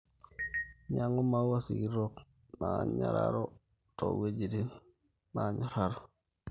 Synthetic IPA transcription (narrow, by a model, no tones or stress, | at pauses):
ɲaŋomawasiɡiɾok | naɲa̰ɾa̰ɾo | to̰wed͡ʒidin | naɲaɾaɾo